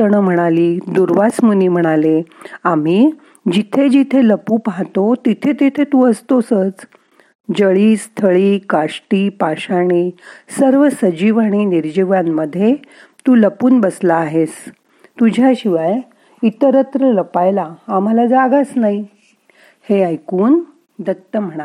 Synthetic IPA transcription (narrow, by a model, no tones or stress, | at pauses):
əɳəm̤əɽ̃aliːd̪uɾʋat͡smuniːm̤əɽ̃aleam̤iː | d͡ʑit̪ʰed͡ʑit̪ʰeləpuːpaɦt̪ot̪it̪ʰet̪ʰet̪ʰet̪uːəst̪osət͡s | d͡ʑəɭiːst̪ʰəɭiːkaʂʈiːpaɕaɽ̃iːsəɾʋəsəd͡ʑiʋaɽ̃iːniɾd͡ʑiʋjamːəd̪ʱːje | t̪uːləpuːnbəslaːɦes | t̪ud͡ʑʱjaɕiʋaj | it̪əɾət̪ɾələpajlaːm̤alad͡zaɡasnai | heajkuːn | d̪ət̪ːəm̤əɽ̃a